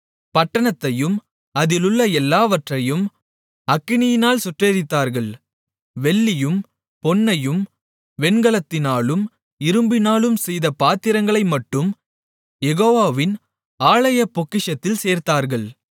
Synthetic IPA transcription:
pɐʈːɐɳɐt̪ːɐjɯm | ɐðɪlɯɭːɐɛlːaːʋɐʈrɐjɯm | ɐkːɪnɪjɪnaːlsʊʈreːɾɪt̪ːaːɾɣɐɭ | ʋɛɭːɪjɯm | pɔnːɐjɯm | ʋɛnɡɐɭɐt̪ːɪnaːɭɯm | ɪɾɯmbɪnaːɭɯmsɛjðɐpaːt̪ːɪɾɐŋɡɐɭɐɪmɐʈːɯm | jɛɣoːʋaːʋɪn | aːɭɐjɐpɔkːɪʂɐt̪ːɪlseːɾt̪aːɾɣɐɭ

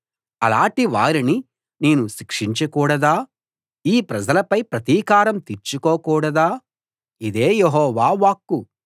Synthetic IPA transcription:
ɐ̰laːɳʈiʋaːɾini | neːnuʃikʂiɲt͡ʃɐkuːɽɐd̪aː | iːpɾɐd͡ʒɐlɐpɐjpɾɐt̪iːkaːɾɐmt̪iɾt͡ʃːukoːkuːɽɐd̪aː | id̪eːjeɦɔːʋaːʋaːkːu

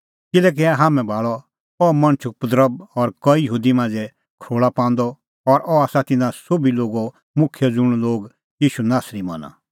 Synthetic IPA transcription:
kɪlɛːk̬iaɦaːmɛ̃bʱaːɭɔ | ɔmɐ̃ñt͡ʃʰʊkpʊd̪ɾəb̚ɔɾkɔijəɦuːd̪imãːnd͡zɛ | kʰɾoːɭapãːnd̪ɔ | ɔɾɔaːsat̪ɪnãsobiloːɡo | mʊkʰjɔd͡zʊɽ̃loːɡ | jiːʃunaːsɾimɐna̰

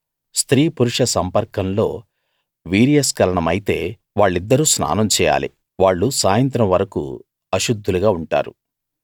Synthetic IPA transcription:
st̪ɾiːpuɾuʂɐsɐmpɐɾkɐnlo̞̰ː | ʋiːɾijɐskɐlɐɳɐmɐjit̪e̞ː | ʋaːɭːid̪ːɐɾuːsna̰ːnɐmt͡ʃɛːja̰ːlḭ | ʋaːɭːusaːjɐnt̪̬ɾɐmʋɐɾɐkṵ | ɐʃud̪ʱːuluɡaːuɳʈa̰ːɾṵ

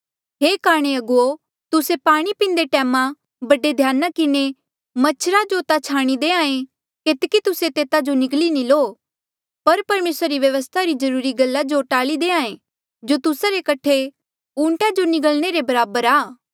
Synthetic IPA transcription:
ɦeːkaːɾɽ̃eɐɡuo | t̪ʊsepaːɽ̃ipĩːn̆d̪eʈɛːmã | bɐɖed̪ʱjaːnakɪne | mɐt͡ʃʰɾad͡ʒot̪at͡ʃʰaːɽ̃id̪eːãːẽ | keːt̪kit̪ʊset̪eːt̪ad͡ʒonɪklinĩloː | pɐɾpɐɾmeːsɾaɾiʋjɐʋəst̪ʰaɾizɐɾuːɾiɡɐlːad͡ʒoʈaːlid̪eːãːẽ | d͡ʒot̪ʊsaɾekɐʈʰe | ũːɳʈãd͡ʒonɪɡəlɽ̃eɾebɐɾaːbəɾaː

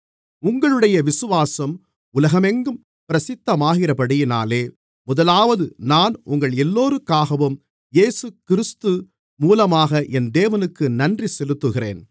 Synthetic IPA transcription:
ʊŋɡɐɭɯɽɐjɐʋɪsɯʋaːsɐm | ʊlɐɣɐmɛŋɡɯm | pɪɾɐsɪt̪ːɐmaːɣɪrɐpɐɽɪjɪna̰ːleː | mʊðɐlaːʋɐðɯnaːnʊ̰ŋɡɐɭɛlːoːɾɯkːaːɣɐʋɯm | jeːsɯkɪɾɯst̪ɯ | muːlɐmaːɣɐʔɛnd̪eːʋɐnɯkːɯnɐndrisɛlɯt̪ːɯɣɪrḛːn

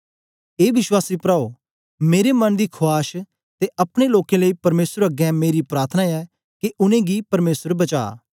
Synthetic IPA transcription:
eːʋɪʃwaːsiːpɾaːo | meːɾemɐnd̪iːkʰʊaːʃ | t̪eʔɐpɽ̃eloːkẽləiːpɐɾmeːsəɾəɡɛ̃ːmeːɾipɾaːɾt̪ʰənãɛː | keʔʊnẽɡiːpɐɾmeːsəɾbɐt͡ʃa̰ː

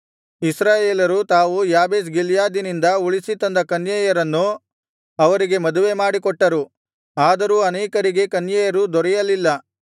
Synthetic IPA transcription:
isɾaːjeːlɐɾut̪aːʋujaːbeːs̬ɡiljaːd̪inind̪ɐuɭisit̪ɐnd̪ɐkɐnjɐjɐɾɐnːu | ɐʋɐɾiɡe̞mɐd̪uʋe̞maːɽikɔʈːɐɾu | aːd̪ɐɾuːɐnɛːkɐɾiɡe̞kɐnjɐjɐɾud̪ɔɾɛjɐlːilːɐ

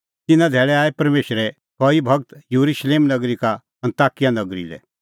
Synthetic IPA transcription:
t̪ɪnãd̪ʱɛːɭɛaːepɐɾmeːʃɾɛ | kɔːibʱɐɡt̪juɾuʃleːmnɐɡɾika | ɐ̃nt̪aːkijanɐɡɾḭlɛ̰

